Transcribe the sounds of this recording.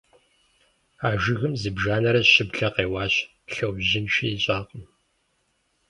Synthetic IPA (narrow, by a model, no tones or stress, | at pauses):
aːʒɪɣɨmzɨbʒaːnɐɾɐɕɪbɬɐqeːwɑːɕ | ɬɐwʒɪnʃiiɕʼaːqəm